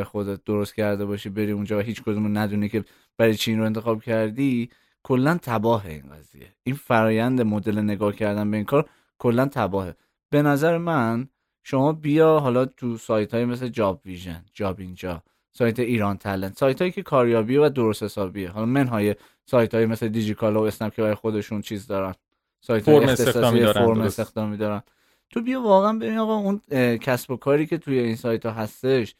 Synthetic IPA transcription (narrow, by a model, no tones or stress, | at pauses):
exod̪et̪̚d̪oɾost̪cʰæɾd̪e̞bɒːʃibe̞ɾiːund͡ʒɒːvæɦiːt͡ʃkʰod̪umonæd̪unicʰe̞ | b̥æɾɒjt͡ʃʰeinɾoent̪exɒːb̥cʰæɾd̪i | kʰolːænt̪ʰæbɒːɦe̞̰ḭːnɡæ̰zḭje̞̰ʔinfæɾɒːjænd̪emod̪e̞lene̞ɡɒːhcʰæɾd̪ænbeiːnkʰɒːɾ | kʰo̞lːænt̪ʰæbɒːhe̞ | b̥e̞næzæɾemæn | ʃo̞mɒːbijɒɦɒːlɒt̪ʰusɒːjt̪ʰhɒːjemesled͡ʒɒbviʒḛnd͡ʒɒːbind͡ʒɒ̰ | sɒːjt̪ʰe̞iːɾɒːnt̪ʰælent̪sɒːjt̪hɒːjicʲʰe̞kʰɒːɾjɒːbievæd̪o̞ɾoshe̞sɒːbieɦɒlɒme̞nɦɒːje | sɒːjt̪ʰhɒːjeme̞sled̪id͡ʒik̪ʰɒlɒoesnæmkʰebæɾɒjxo̞d̪e̞ʃunt͡ʃʰiːzd̪ɒːɾæn | sɒːjt̪ʰːjet̪esɒssefoɾmest̪exd̪ɒːmiːd̪ɒːɾæn | t̪ʰobijɒːvɒːɣeænbe̞ɾinɒːɣɒuncʰæsb̥o̞kʰɒːɾiːcʰe̞t̪ʰujeiːnsɒːjt̪ʰɒːɦæst̪e̞ʃ